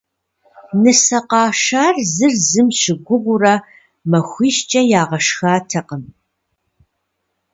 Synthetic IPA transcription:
nɨsɐqɑːʃaːrzɨrzɨmɕɪɡʷʊʁʷʊrɐ | mɐxʷiːʃt͡ʃʼɐjaːʁɐʃxaːtʰɐqəm

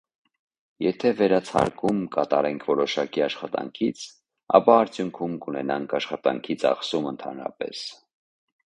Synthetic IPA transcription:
jɛt̪ʰɛvɛɾɑt͡sʰɑ̰ɾkʰumkɑt̪ɑɾɛŋkʰvɔɾɔʃɑkiɑʃχɑt̪ɑ̰ŋkʰit͡sʰ | ɑ̰pɑːɾt͡sʰjuŋkʰumkunɛ̰nɑŋkʰɑʃχɑt̪ɑŋkʰit͡sʰɑ̰χsumənt̪ʰɑ̰nɾɑ̰pɛ̰s

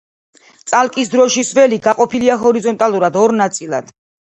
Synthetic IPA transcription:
t̪sʼalˠkʼisd̪ɾɔʃisvɛliɡaqʼɔpʰiliaɦɔɾizɔnt̪ʼalˠuɾad̪ɔɾnat̪sʼilˠa̰d̪̥

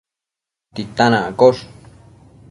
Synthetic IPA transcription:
t̪it̪anãakoʂ

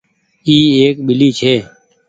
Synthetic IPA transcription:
iːeːkɓɪliːt͡ʃʰeː

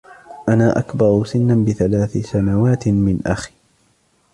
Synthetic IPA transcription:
ʔanaːʔakbɑɾˤʊsɪnːabɪθalaːθɪsanawaːt̪mɪnʔaxi̥

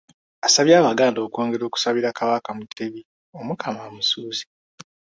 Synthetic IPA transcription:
asaβjaːβaɡaːndo̞ːko̞ːŋɡe̞ɾo̞ːku̥saβiɾakaβakamutʰːeβi | o̞mukʰamamusuːzi̥

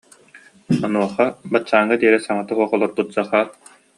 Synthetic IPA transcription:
ɔnuɔχabat͡ɕːaːŋːad̪iɛɾɛsaŋat̪ɯɦuɔχɔlˠɔɾbut̪̚d͡zaχaːt

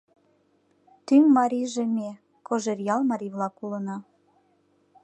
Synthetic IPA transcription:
t̪ymːɑɾʲiʒeme | koʒerjɑlmɑɾʲivlɑkulənɑ

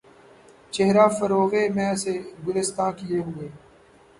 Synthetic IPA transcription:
t͡ʃeɦɾaːfəɾoːɣeːmɛ̃ːəseːɡʊlɪst̪ãːkɪeːɦʊeː

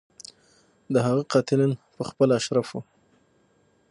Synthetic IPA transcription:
d̪əɦaɣaqɑt̪ɪlɪnpəxpəlaaʃɾafu

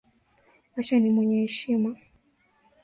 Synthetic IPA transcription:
aʃanimwɛɲɛhɛʃima

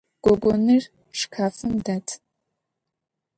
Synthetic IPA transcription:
ɡ̥ʷɔɡʷɔnɨr | ʂkʰaːfɨmdatʰ

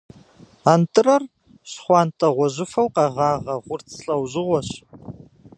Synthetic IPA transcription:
antʰʼɨrɐr | ɕχʷɑːntʰʼɐʁʷɔʒɪfɐwqʼɑʁaːʁɐʁʷʊrt͡sʰɬʼɐwʒɨʁʷɔɕ

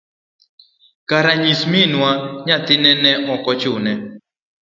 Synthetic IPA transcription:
kaɾaɲisminwaɲat̪ɪnɛnɛʔɔkɔt͡ʃʊnɛ

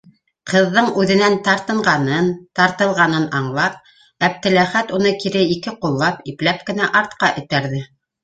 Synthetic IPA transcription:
qɤ̆ðːɤɴʉðɘ̆nænt̪ɑɾt̪ɤ̆ɴʁɑnɤnt̪ɑɾt̪ɤ̆lˠʁɑnɤnɑɴlˠɑp̚ | æb̚t̪ɘ̆læχæt̪un̪ɤkiɾɘikɘqulˠːɑpiplæp̚kɘ̆næʔɑɾt̪̚qɑʔɘ̆t̪æɾðɘ

